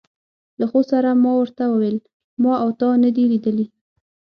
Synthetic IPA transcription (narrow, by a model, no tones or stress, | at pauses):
laxosaɾamɑwəɾt̪awəwel | mɑawt̪ɑnəd̪ilid̪əli